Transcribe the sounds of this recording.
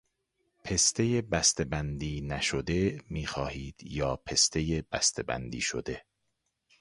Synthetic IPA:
pʰe̞st̪ʰe̞jebæst̪ebænd̪iːnæʃod̪e̞miːxɒːhiːd̪̥jɒːpʰe̞st̪ʰe̞jeb̥æst̪ebæ̰nd̪ḭːʃo̰d̪e̞

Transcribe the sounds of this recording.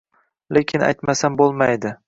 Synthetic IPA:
lekʲʰɪna̰jt̪masanbolˠmajd̪ɪ

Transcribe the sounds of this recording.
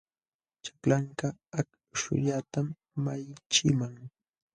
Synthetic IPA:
t͡ʃḁklaŋkak | ʃʊ̰ʎat̪amː | ajt͡ʃɪmaŋ

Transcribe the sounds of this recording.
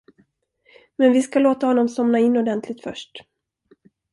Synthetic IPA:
mɛnvɪskaloːt̪ahɔnːɔmsɔmnaɪnːɔd̪ɛnt̪ʰlɪɡ̚t̪fœ̰ʂʈ

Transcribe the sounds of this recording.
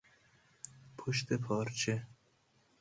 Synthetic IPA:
pʰoʃt̪ʰepʰɒːɾt͡ʃʰe

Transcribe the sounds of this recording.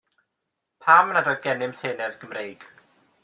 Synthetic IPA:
pʰaːmnadoːɨðɡɛnɪmseːnɛvɡ̥əmrejɡ̥

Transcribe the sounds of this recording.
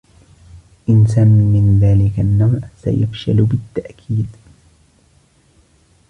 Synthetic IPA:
ʔɪnsamːiːɪnðaːlɪkanːawʕsa̰jafʃalbɪt̪ːaʔkʰiːd̪

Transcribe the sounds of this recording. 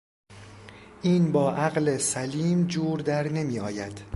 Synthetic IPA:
ʔiːnbɒːʔæɣlesæliːmd͡ʒuːɾd̪æɾne̞miːɒːjæd̪̥

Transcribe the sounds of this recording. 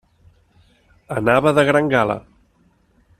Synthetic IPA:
ənaβəðəɣɾaŋɡalə̰

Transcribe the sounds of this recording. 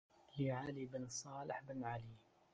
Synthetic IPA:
lɪʕaːlibɪnsˤɑːlɪħbɪnʕali

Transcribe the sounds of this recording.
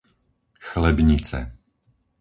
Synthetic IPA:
xlɛbɲit͡sɛ̰

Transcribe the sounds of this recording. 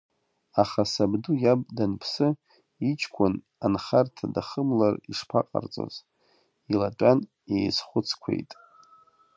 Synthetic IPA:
aχasabdujabʼdanpʰsɨ | it͡ʃʰkʷʰʊn | anχartʰadaχəmlariʂpʰaqʼa̰rt͡sʼo̰z | ilatʼan | ejsχʷʊt͡sʰkʷʰe̞̰jtʼ

